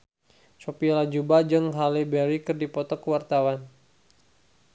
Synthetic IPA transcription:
sopilad͡ʒubad͡ʒɨŋɦalibɛɾikɨrdipɔt̪ɔkəwart̪awan

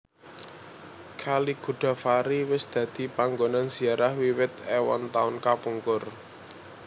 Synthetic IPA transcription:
kʰaliɡ̥ṳɖ̥a̤faɾiwɪsd̪̥ä̤d̪̥i̤paŋɡonanz̥i̤aɾahwiwɪt̪̚ɛwɔ̰nt̪aʊnkapuŋkʊr

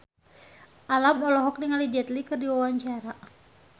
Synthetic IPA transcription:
ʔalamɔlɔɦɔk̚niŋalid͡ʒɛt̪likɨrdiwawaɲt͡ʃaɾa

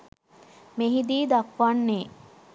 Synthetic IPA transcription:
meɦid̪iːd̪akʋanːeː

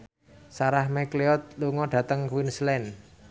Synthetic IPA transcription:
saɾahmekleɔt̪̚luŋɔɖ̥ä̤t̪əŋkwinslɛn

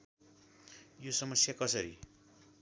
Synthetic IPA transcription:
josʌmʌsjakʌsʌɾḭ

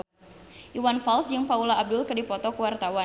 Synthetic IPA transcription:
ʔiwanfalsjɨŋpaulaːb̚dʊlkədipɔt̪ɔkəwart̪awa

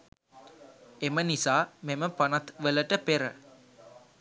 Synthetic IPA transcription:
emənisaːmeməpanɐt̪ʋələʈəpeɾə̰

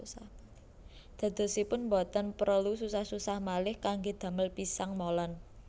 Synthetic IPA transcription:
d̪̥a̤d̪̥ɔ̤sipʊnmbɔt̪ɔnpɾəlususahsusahmalɪhkaŋɡed̪̥a̤məlpisaŋmolɔn

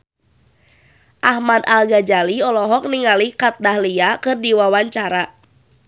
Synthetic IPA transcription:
ʔahmadalɡad͡ʒaliɔlɔɦɔk̚niŋalikat̪̚dahliakɨrdiwawaɲt͡ʃaɾa

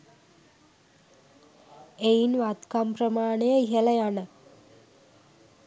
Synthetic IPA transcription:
einʋat̪kamprəmaːɳejəiɦəlɐjanə

